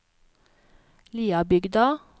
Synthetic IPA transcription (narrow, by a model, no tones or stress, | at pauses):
liːɑbʏɡd̪ɑ